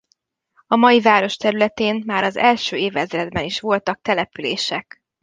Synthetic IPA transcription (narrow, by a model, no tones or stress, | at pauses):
ɒmɒjivaːɾo̞ʃt̪ɛɾylɛt̪eːnmaːɾɒzɛlʃøːeːvɛzrɾɛd̪bɛniʃʋo̞lt̪ɒk̚t̪ɛlɛpyleːʃɛk